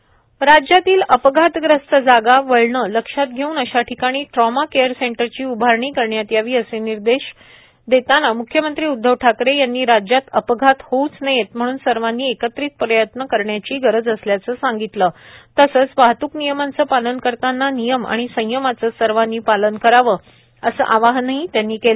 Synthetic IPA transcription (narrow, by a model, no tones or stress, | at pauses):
ɾad͡ʑjat̪iːləpɡʱat̪ɡɾəst̪əd͡zaɡaʋəɭɳələkʂat̪̚ɡʱeuːnəɕaʈʰikaɽ̃iːʈɾɔmakejəɾseɳʈəɾt͡ɕiːubʱaɾɳiːkəɾɳjat̪jaʋiːəseniɾd̪eɕ | d̪et̪anamukʰːjəmənt̪ɾiːud̪ʱːəʋʈʰakɾejanːiːɾad͡ʑjat̪əpɡʱat̪hout͡snajet̪m̤əɽ̃uːnsəɾʋanːiːekət̪ɾiːt̪̚pɾəjət̪nəkəɾɳjat͡ɕiːɡəɾəd͡zəsljat͡səːsaŋɡit̪ləːt̪əsəːt͡sʋaɦt̪uːknijəmant͡səːpalənkəɾt̪anːanijəma̰ɽ̃isə̃j̃jəmat͡səːsəɾʋanːiːpalənkəɾaʋəː | əsə̰ʔaʋaɦnaɦit̪janːiːkel